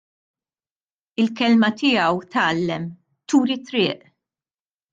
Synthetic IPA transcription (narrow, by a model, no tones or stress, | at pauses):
ɪlkɛlmɐt̪ɪjɐwt̪ɐːlːɛm | t̪uːɾit̪ːɾɪːʔ